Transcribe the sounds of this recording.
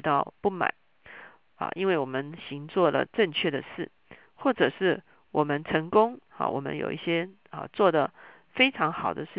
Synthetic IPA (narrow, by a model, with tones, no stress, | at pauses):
t̪ɑ˥˧ʊpu˥˩ma̰˨˩˦ | ɐ̰˨ʔi˥nwe˥˩ɪwɔ˨˩mə˦nɕi˧˥ŋt͡swɔ˥˩lə̰˨˩ʈ͡ʂə˥˧ŋt͡ɕʰɥɛ˥˩d̪ə˩ʂɻ̩˥˩ | xwɔ˥˩ʈ͡ʂɤ˨˩ʂɻ̩˥˩ | wɔ˨˩mə˦nʈ͡ʂʰə˧˥ŋkʊ˥ŋɑ̰˨wɔ̰˨˩mə̰˦njo̰˨˩ʊi˥˩ɕjɛ˥ | ə̰˨t͡swɔ˥˩d̪ə˩ | fe˥ɪʈ͡ʂʰɑ˧˥ŋxɑ˨˩ʊd̪ə˦ʂɻ̩˥˨